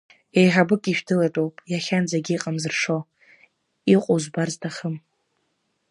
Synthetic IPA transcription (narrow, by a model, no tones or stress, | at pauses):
ejħabɨkʼiʃᶣdɨlatʼowpʼjaχʲand͡zaɡʲiiqʼamzɨrʂo | iqʷʼozbarztʰaχəm